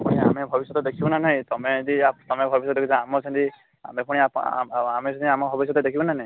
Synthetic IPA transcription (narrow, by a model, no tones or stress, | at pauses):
mɔja̰mebʱɔbisjɔt̪ɔd̪ekʰibɔnanaĩt̪ɔmed̪iat̪ɔmebʱɔbis̬jɔt̪d̪ekit͡ʃʰɔ̃amɔt͡ʃʰɔ̃nt̪i | a̰mepuɽ̃iapamesʰɔ̃nt̪iamɔbʱɔbis̬jɔt̪ɔd̪ekʰibɔnanaĩ